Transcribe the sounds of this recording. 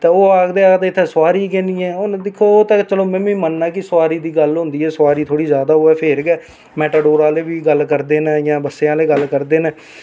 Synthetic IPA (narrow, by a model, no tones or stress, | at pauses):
t̪eːoːaːɡd̪eːaːɡd̪eːt̪ʰːeːsʊaːɾiːk̬ɛ̃ːnd̪iːɛ̃ːoːñːd̪ɪkʰːoːt̪eːt͡ʃəloːmɛ̃ːĩːmənːaːkɪsəʋaːɾiːd̪iːɡəlɦʊ̃nd̪iːɛːswaːɾiːt̪ʰoːɽiːzjaːd̪aːɦoːɛːpʰeːɾkɛː | mɛːʈaːɖoːɾãːleːʋiːɡəlkəɾd̪eːneːjãːbəsːeːãːleːɡəlkəɾd̪eːneː